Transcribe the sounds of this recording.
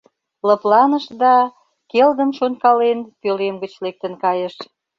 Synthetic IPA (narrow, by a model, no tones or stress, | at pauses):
lɤplɑnəʃd̪ɑ | keld̪ə̆mʃonkɑlenpølemɡət͡ɕlek̚t̪ə̆nkɑjəʃ